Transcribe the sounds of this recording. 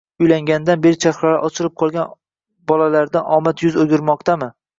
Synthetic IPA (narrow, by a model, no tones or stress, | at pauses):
ʊjlaŋɡʲand̪anbe̞ɾɪt͡ʃʰaχɾaɾaʔɒt͡ʃʰɪɾɪp̚qʰɒlˠɡʲan | bɒlalaɾd̪aʔɒmat̪jʊzoɡʲɪɾmɒqt̪ʰamɪ